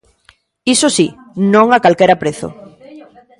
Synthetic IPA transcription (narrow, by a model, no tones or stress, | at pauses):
isosi | nõŋakalkeɾapɾeθo̰